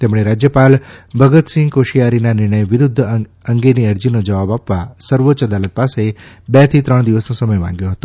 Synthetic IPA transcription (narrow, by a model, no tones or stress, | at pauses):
t̪emɽ̃eɾad͡ʒjəpalbʱəɡət̪sɪ̃ŋɡkoʃijaɾinanɪɾɳəjʋɪɾʊd̪ʱː | əŋɡeniəɾd͡ʒinod͡ʒəʋabapʋasəɾʋotːʃəd̪alət̪̚pase | bɛt̪ʰit̪ɾəɳ̃d̪iʋəsnõsəməjmã̰ŋɡjõɦət̪õ